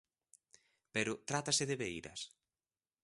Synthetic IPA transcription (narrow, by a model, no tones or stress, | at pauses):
peɾʊt̪ɾat̪asɪðeβeiɾɐ̰s